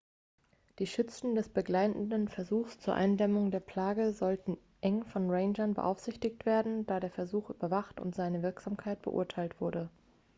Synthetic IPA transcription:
d̥iːʃʏt͡sn̩dɛsb̥əɡlaɪtn̩dənfɛɐzuːxst͡suːɐʔa̰ɪndɛmʊŋdeːɐpl̥aːɡəzɔltn̩ | ʔɛŋfɔnʁeɪnd͡ʒɐnbə̰ʔa̰ʊfz̥ɪçtɪçtv̥eːɐdn̩daːɾeːɐfɛɐzuːxʔy̰ːbɐvaχtʊ̰ntz̥aɪnəvɪɐkz̥aːmkʰaɪt̚b̥ə̰ʔʊ̰ɐtʰaɪltv̥ʊɐɾə

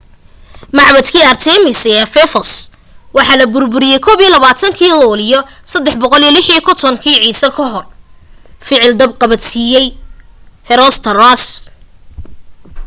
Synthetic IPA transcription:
mɑʕβɐd̪kʰiːart̪ʰɛmɪsɛːfɛfɔs | wɑħɑːlɐbʊrbʊɾɪjɛjkʰɔːβijɔlɐβaːt̪ʰɐŋkʰiːlɔːlijɔsɐd̪ːɛħbɔqɔlijɔlɪħijɔkʰɔt̪ʰɔŋkʰiːʕiːsɐkʰɐɦɔr | fɪʕɪld̪ɐb̚qɑβɐsijɛj | hɛɾɔːst̪ʰɐrɔs

